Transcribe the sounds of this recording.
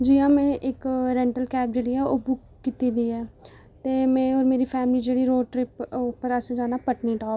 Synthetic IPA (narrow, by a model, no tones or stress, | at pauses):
d͡ʒijãːmɛ̃ːʔɪkɾɛ̃ːɳʈəlkɛːp̚d͡ʒeːɽiːɛːoːbʊkːiːt̪iːd̪iːɛː | t̪eːmɛ̃ːoːɾmeːɾiːpʰɛːmliːd͡ʒeːɽiːɾoːɖʈɾɪpːpəɾased͡ʒaːnaːpəʈniːʈaː